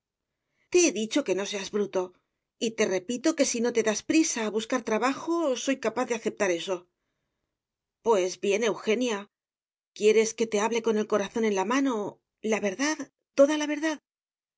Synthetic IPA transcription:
t̪e̞eðit͡ʃo̞ke̞no̞s̬e̞azβɾut̪o̞ | it̪e̞re̞pit̪o̞ke̞sino̞t̪e̞ðaspɾisaːβuskaɾt̪ɾaβaxo̞so̞jkapaððe̞aθe̞p̚t̪aɾe̞so̞ | pwe̞zβje̞ne̞wxe̞nja | kje̞ɾe̞ske̞t̪e̞aβle̞ko̞ne̞lko̞ɾaθo̞ne̞nlamano̞ | laβe̞ɾðað | t̪o̞ðalaβ̞e̞ɾðað

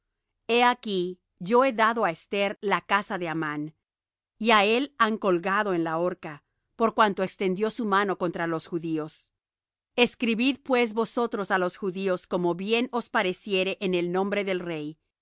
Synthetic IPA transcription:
e̞aki | ʝo̞e̞ðaðo̞aest̪e̞ɾlakasaðe̞aman | iae̞laŋko̞lɣaðo̞enlaoɾka | po̞ɾkwant̪oekst̪e̞nd̪jo̞sumano̞ko̞nt̪ɾalo̞sxuðio̞s | e̞skɾiβiðpwe̞s̬βo̞so̞t̪ɾo̞salosxuðio̞sko̞moβje̞no̞spaɾe̞sje̞ɾeʔenelnõ̞mbɾe̞ðelre̞j

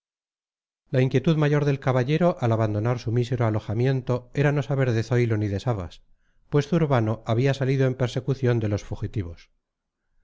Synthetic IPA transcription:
laiŋkje̞t̪uðmaʝo̞ɾðe̞lkaβaʎe̞ɾo̞ʔalaβand̪o̞naɾsumise̞ɾoalo̞xamje̞nt̪o̞e̞ɾano̞saβe̞ɾðe̞θo̞jlo̞niðe̞saβa̰s | pwe̞sθuuɾβano̞ʔaβiasaliðoe̞mpe̞ɾse̞kuθjo̞nd̪e̞lo̞sfuxit̪iβ̞o̞s

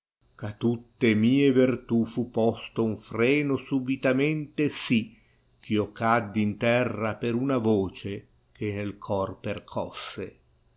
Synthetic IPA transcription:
kat̪ːut̪ːemiːevirt̪ufupːɔst̪ouɱfrɛːnosubit̪amɛnt̪esi | k̟ʰiokad̪ːint̪ɛrːapeɾunavoːt͡ʃe | k̟ʰenelkʰɔrperkʰɔsːḛ

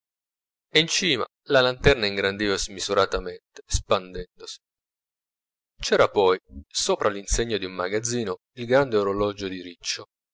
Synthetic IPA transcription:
int͡ʃiːma̰ | lalant̪ɛrnaiŋɡɾand̪iːvazmizuɾat̪ament̪e̥spand̪ɛnd̪osi̥ | t͡ʃɛːɾapɔjsoːpɾalinseɲːod̪iumːaɡad̪zːiːno | ilɡɾand̪eoɾolɔd͡ʒod̪iɾit͡ʃːo

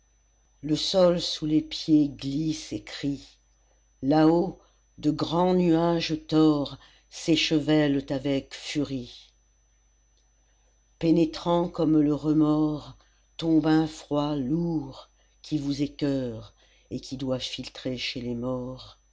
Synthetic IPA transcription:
ləsɔlsulepjeɡlisekχi | lao | d̪əɡʁɑ̃nyaʒt̪ɔʁ | seʃəvɛlt̪avɛkfyʁi | penet̪χɑ̃kɔmləʁəmɔʁ | t̪ɔ̃bɛ̃fχwaluʁ | kʲʰivuzɛkʲœʁ | ekʲid̪wafilt̪χeʃelemɔʁ

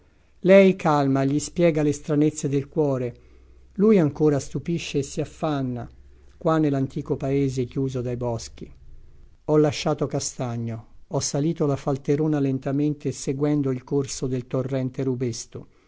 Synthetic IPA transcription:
lɛjkʰalmaʎːispjɛːɡalest̪ɾanet̪sːed̪elkwɔːɾe | lujaŋkoːɾast̪upiʃːeːsːiafːanːa | kwanːelant̪iːkopaeːzekjuːzod̪ajbɔsk̟i | ɔlːaʃːaːt̪okast̪aɲːoɔsːaliːt̪olafalt̪eɾoːnalent̪ament̪eseɡwɛnd̪oilkorsod̪elt̪orːɛnt̪eɾubest̪o

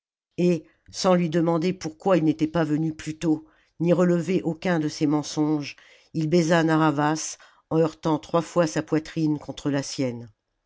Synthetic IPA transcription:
e | sɑ̃lɥid̪əmɑ̃d̪epuʁkwailnet̪ɛpavənyplyt̪o | niʁələveʔokʲɛ̃d̪əsɛmɑ̃sɔ̃ʒ | ilbɛzanaʁavas | ɑ̃œʁt̪ɑ̃t̪χwafwasapwat̪χinkɔ̃t̪χəlasjɛn

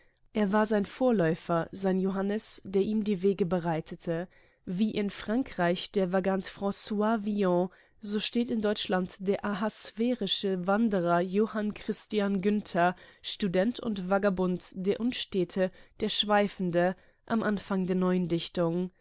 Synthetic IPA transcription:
ʔeːɐvaːɐzaɪnfoːɐlɔʏfɐzaɪnjoɦanəsd̥eːɐʔiːmdiːveːɡəbəʁaɪtʰətʰə | viːʔɪnfʁ̥aŋkʁ̥aɪçd̥eːɐvaɡantfʁ̥ɔ̃swaːviɔ̃ | zoːʃteːtɪndɔʏt͡ʃlantd̥eːɐʔaɦasfeːʁɪʃəvandəʁɐjoːhankʁ̥ɪstijanɡʏntʰɐʃtudɛntʰʊ̰ntv̥aɡabʊntd̥eːɐʔʊnʃtɛːtʰəd̥eːɐʃv̥aɪfn̩də | ʔamʔanfaŋdeːɐnɔʏəndɪçtʊŋ

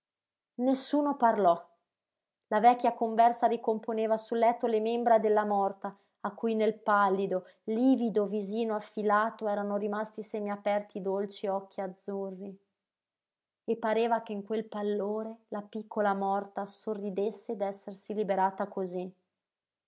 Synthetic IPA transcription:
nesːuːnoparlɔ | lavɛkːjakoɱvɛrsaɾikomponeːvasulːɛt̪ːolemembɾad̪elːamɔrt̪aː | kːujnelpalːid̪o | liːvid̪oviziːnoafːilaːt̪oɛːɾanoɾimast̪isɛːmeapɛrt̪id̪olt͡ʃiɔkʰːiad̪zːurːi | epːaɾeːvakeiŋkwelpalːoːɾelapikːolamɔrt̪asorːid̪esːed̪ɛsːersilibeɾaːt̪akozi

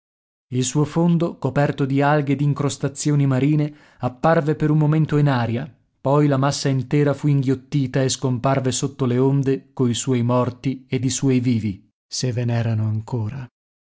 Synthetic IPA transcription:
ilsuːofond̪okopɛrt̪od̪ialɡed̪iŋkɾost̪at̪sːjoːnimaɾiːne | apːarvepeɾummːoment̪oinaːɾja | pɔjlamasːaint̪ɛːɾafuiŋɡjot̪ːiːt̪aeskomparvesot̪ːoleond̪ekoiswɔjmɔrt̪ied̪iswuɔjviːvi | sevːenɛːɾanoaŋkʰoːɾa

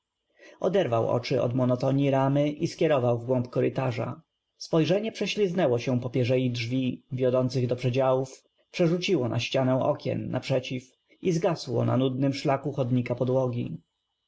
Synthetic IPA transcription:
ɔd̪ɛɾvawɔ̰t͡ʂɘɔ̰d̪mɔnɔt̪ɔɲiɾamɘʔiskʲjɛɾɔvawvɡwɔ̃mpkɔɾɘt̪aʐa̰ | spɔjʐɛɲɛpʂɛɕlʲiznɛwɔɕɛ̃pɔpʲjɛʐɛjidʐvʲivʲjɔd̪ɔnt̪sɘɣd̪ɔpʂɛd͡ʑawuf | pʂɛʐut͡ɕiwɔnʔa̰ɕt͡ɕanɛw̃ʔɔkʲɛ̰nːa̰pʂɛt͡ɕif | izɡaswɔ̰na̰nud̪nɘmʂlakuxɔd̪ɲikapɔd̪wɔɡʲi

